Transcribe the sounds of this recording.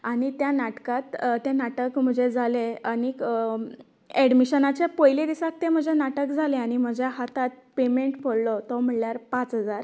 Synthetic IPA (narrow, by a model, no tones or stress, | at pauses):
aɽ̃it̪janaʈkat̪t̪janaʈəkm̤əd͡ʑʱed͡zʱaleani | ɛɽmiɕənat͡ɕepojled̪isak̚t̪em̤əd͡ʑʱenaʈəkd͡zʱaleaɽ̃im̤əd͡ʑjaɦat̪at̪̚pemeɳʈfʰoɭlɔt̪ɔm̤əɽljaɾpat͡sɦəd͡zaɾ